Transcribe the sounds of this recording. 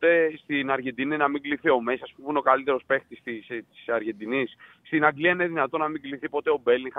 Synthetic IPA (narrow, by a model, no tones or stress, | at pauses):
t̪est̪inɐɾʝe̞nd̪ininɐmiŋɡliθio̞mesɐspumuneokɐlit̪e̞ɾo̞spe̞xt̪ist̪ist̪i̥sɐɾʝe̞nd̪inis | st̪inɐɡliɐineðinɐt̪o̞nɐmiɡliθipo̞t̪e̞o̞be̞li